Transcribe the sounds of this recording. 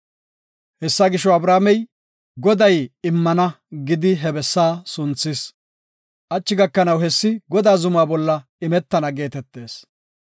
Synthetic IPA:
hɛsːaːɡɪʃɔɐbɾaːmɛj | ɡɔd̪ɐjɪmːɐnɐ | ɡɪd̪ɪɦɛbɛsːaːsʊnt͡sːɪs | ʔɐt͡ʃːɪɡɐkːɐnɐwɦɛsːɪɡɔd̪aːzʊmaːbɔlːɐ | ɪmɛt̪ːɐnɐɡe̞ːt̪ɛt̪ːe̞ːs

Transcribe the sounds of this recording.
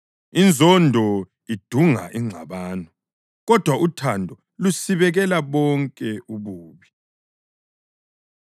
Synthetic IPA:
ind͡zʱɔndʱɔ | id̥ʱuŋa̰ʔiŋ͡ǀʱa̰βaːnɔ | ɣɔd̥ʱwaʔutʰandʱɔ | lusiβɛɣɛlaβɔŋkʼɛʔuβuːβi

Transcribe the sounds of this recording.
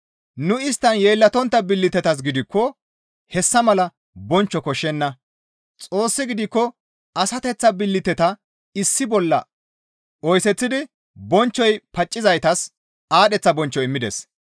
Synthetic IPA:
nʊɪst̪ːɐnje̞ːlːɐt̪ɔnt̪ːɐbɪlːɪt̪ɛt̪ɐs̬ɡɪd̪ɪkːɔ | hɛsːɐmɐlɐ | bɔnt͡ʃːɔkɔʃːɛnːɐ | t͡sʼo̞ːsːɪɡɪd̪ɪkːɔ | ɐsɐt̪ɛt͡sːɐbɪlːɪt̪ɛt̪ɐ | ɪsːɪbɔlːɐ | ɔjsɛt͡sːɪd̪ɪ | bɔnt͡ʃːɔjpɐt͡ʃʼːɪzɐjt̪ɐs | aːɗɛt͡sːɐbɔnt͡ʃːɔɪmːɪd̪ɛ̰s

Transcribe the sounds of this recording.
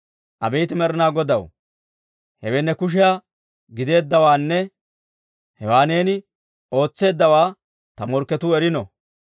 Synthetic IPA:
ʔɐbɛjt̪ɪmɛɾɪnaːɡɔd̪ɐw | hɛwɛnːɛkʊʃ̬ɪjaː | ɡɪd̪e̞ːd̪ːɐwaːnːɛ | hɛwaːneːnɪ | o̞ːt͡sːe̞ːd̪ːɐwaː | t̪ɐmɔɾkːɛt̪ʊɛɾɪnɔ̰

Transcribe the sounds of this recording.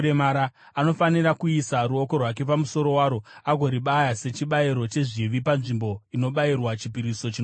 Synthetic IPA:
ɾemaɾa | ano̞faniɾakuisaɾuokorwak̬e̞p̬amuso̞ɾo̞waːɾoaɡʱo̞ɾiɓajase̞t͡ʃiɓaiɾo̞t͡ʃe̞ʐiʋipanʐimbo̞ino̞ɓairwat͡ʃipiɾiso̞t͡ʃin

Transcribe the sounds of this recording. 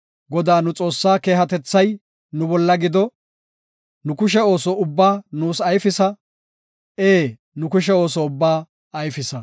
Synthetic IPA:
ɡɔd̪aːnʊt͡sʼo̞ːsːaːke̞ːɦɐt̪ɛt͡sːɐj | nʊbɔlːɐɡɪd̪ɔ | nʊkʊʃ̬ɛo̞ːsɔʊbːaːnuːsɐjfɪsɐ | eː | nʊkʊʃɛo̞ːsɔʊbːaː | ɐjfɪsɐ

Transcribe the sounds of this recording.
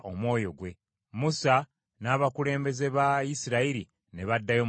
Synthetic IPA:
ʔo̞̰mwo̞ːjo̞ɡwe̞ | musa | naːβakule̞ːmbe̞ze̞βajisiɾaiɾi | neβadːajo̞

